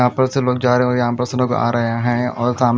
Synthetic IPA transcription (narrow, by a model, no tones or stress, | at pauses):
ɦãːpɐɾseloːɡ̚d͡ʒaːɾeɦẽɔjɐɦãpɐɾsəloːka̰ːɾɐɦeɦɛ̃ɔːɾsaːm